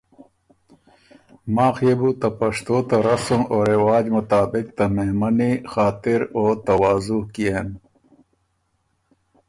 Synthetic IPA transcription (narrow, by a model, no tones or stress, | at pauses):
maːxebut̪ɐpɐʂt̪oːt̪aɾɐsumoɾewaːd͡ʑmʊt̪aːbik̚t̪ameɦmɐnixaːt̪iɾoːt̪ɐwaːzuɦkieːn